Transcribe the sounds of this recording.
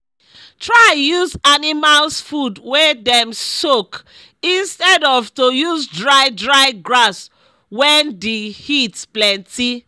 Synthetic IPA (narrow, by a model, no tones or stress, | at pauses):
tʰɹajuzanimalsfudwedɛ̃msok | ĩnstɛdɔvtojuzdɹaɪdɹaɪɡɹas | wɛ̃ndehitplɛ̃nti